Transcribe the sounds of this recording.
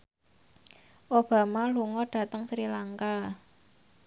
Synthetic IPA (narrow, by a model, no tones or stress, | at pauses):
ʔob̥a̤maluŋɔɖ̥ä̤t̪əŋsɾilaŋka